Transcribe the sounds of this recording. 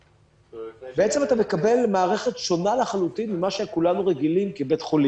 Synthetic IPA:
bee̞t͡se̞mat̪ame̞kabe̞lmaːʁe̞χet̪ʃo̞nalaχalut̪inmimaʃekulanuʁeɡilimkibe̞t̪χolim

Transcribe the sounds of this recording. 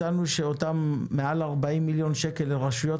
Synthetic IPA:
anuʃe̞o̞tamːe̞alaʁbaimːiljo̞nʃe̞ke̞leʁaʃujo̞

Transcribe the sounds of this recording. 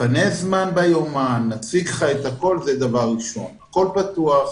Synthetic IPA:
panezmanbajomanːat͡sikχaet̪hako̞lzed̪avaʁːiʃo̞̰nako̞lpat̪uaχ

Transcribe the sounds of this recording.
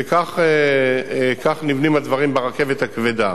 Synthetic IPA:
ekaχe | kaχnivnimad̪vaʁimbeʁake̞vet̪hakved̪a

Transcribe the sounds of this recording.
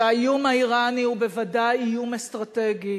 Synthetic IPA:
ajumaiʁaniubevadajijumest̪ʁat̪eɡi

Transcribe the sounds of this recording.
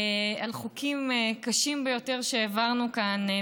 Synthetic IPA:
alχukʰimkaʃimbejo̞te̞ʁʃeːvaʁnukan

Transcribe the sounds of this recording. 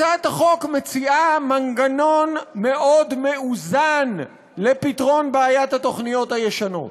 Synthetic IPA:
at̪aχo̞kme̞t͡siʔamaŋɡano̞nme̞ʔo̞d̪me̞uzan | lepitʁo̞nbeajat̪hat̪o̞χnijo̞t̪hajeʃano̞̰t

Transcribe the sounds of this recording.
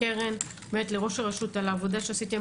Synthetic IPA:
eʁen | met̪leʁo̞ʃaʁeʃut̪alaːvod̪aʃeasit̪e

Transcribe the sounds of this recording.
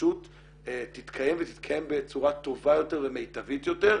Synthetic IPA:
ut | et̪ːit̪kʰaje̞mvet̪it̪kʰajembet͡suʁat̪ovajo̞te̞ʁvemejt̪avit̪jo̞te̞ʁ

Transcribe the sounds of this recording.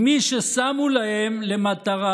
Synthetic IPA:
miʃesamulahemle̞mat̪aʁa

